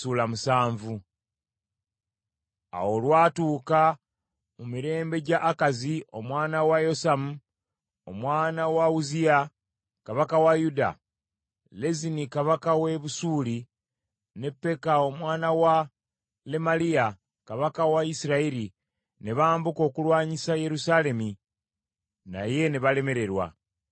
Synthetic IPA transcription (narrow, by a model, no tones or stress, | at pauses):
suːlamusaːɱvu | a̰wo̞lwaːtuːka | mumiɾe̞ːmbe̞ɟaʔːkazio̞mwaːnawajo̞samu | o̞̰mwaːnawauzia | kaβakawajuda̰ | le̞zinikaβakawe̞βusuːli | ne̞pːe̞kao̞mwaːnawa | le̞malia | kaβakawaisiɾaiɾi | ne̞βaːmbuko̞ːkulwaːɲisaje̞ɾusale̞mi | na̰je̞ne̞βale̞me̞ɾe̞ɾwa̰